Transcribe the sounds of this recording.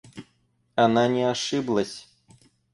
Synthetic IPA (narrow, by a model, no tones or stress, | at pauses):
ananʲɛaʂɨblˠɐsʲ